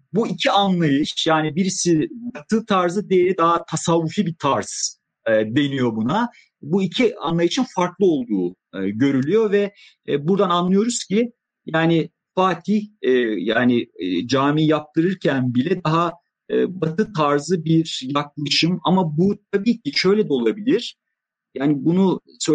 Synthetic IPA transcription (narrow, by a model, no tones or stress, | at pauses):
buicʰianlˠajɯʃjaːnibiɾisibat̪ʰɯt̪ʰaɾzɯd̪ejeɾʲid̪aɦat̪ʰasavːufibit̪ʰaɾz̥ː | d̪e̞nijo̞buna | buicʰia̰nlˠajɯʃɯnfaɾklˠɯo̞lˠd̪uː | ɟø̞ɾylʲyjo̞vɛ | buɾd̪ananlˠɯjo̞ɾuz̥cʰi | jaːnɪ | faːt̪ʰihɛjaːnɪd͡ʒaːmijjap̚t̪ʰɯɾɯɾcʰænbilʲɛd̪aɦaː | bat̪ʰɯt̪ʰaɾzɯbiɾjak̚lˠaʃɯmamabut̪ʰabiːcʰiʃø̞jlʲɛd̪ɛo̞lˠabilʲiɾ̥ | jaːnɪbunu | sø